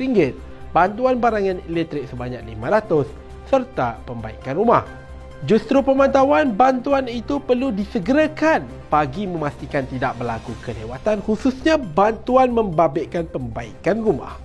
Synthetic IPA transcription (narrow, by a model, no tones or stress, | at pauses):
ɾiŋɡɪt̪̚ | bant̪uanbaɾaŋanelɛt̪ɾɪk̚səbaɲak̚limaɾat̪ʊsː | ərt̪apəmba̰ikanrumah | d͡ʒust̪ɾupəmãnt̪awanbant̪uanit̪upərludisəɡəɾakan | paɡimə̃mast̪ikant̪idaʔ̚bərlakukəlewat̪anhususɲabant̪uanmə̃mbabɪʔkanpəmba̰ḭkanruma̰h